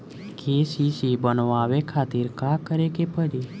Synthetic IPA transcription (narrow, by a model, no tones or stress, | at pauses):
kʰesisibənoaʋekʰat̪iɾkakəɾekepəɾi